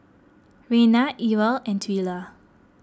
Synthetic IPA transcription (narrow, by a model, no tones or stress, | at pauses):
ɹenaʔiwəlɛ̃ntʰwila